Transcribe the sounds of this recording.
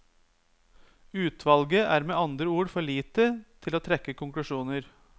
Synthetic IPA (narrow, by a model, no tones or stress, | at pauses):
ʉːt̪ʰʋɑlɡəʔæːɾmeːɑnd̪ɾəuːɽfɔɭiːt̪ət̪ʰɪloːt̪ʰɾɛkːəkʊŋklʉʂuːnəɾ